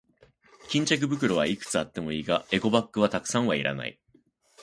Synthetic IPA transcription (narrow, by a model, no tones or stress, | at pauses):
kʲĩɲ̟t͡ɕak̬ɯ̟bɯ̟k̬ɯ̟ɾo̞βaikɯ̟̥t͡sɨat̪ːe̞mo̞iːɡae̞ɡo̞bakːɯ̟β̞at̪akɯ̟̥sãɰ̃βaiɾa̰na̰ḭ